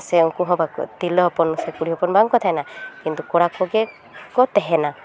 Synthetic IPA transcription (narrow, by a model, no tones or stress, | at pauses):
seɔkuɦɔ̃bakt̪ilɔɦɔpɔnusɛkuɽiɦɔpɔnbaŋkɔt̪ʰaɛnakint̪ukɔɽakɔɡe | kɔt̪ɛɦɛna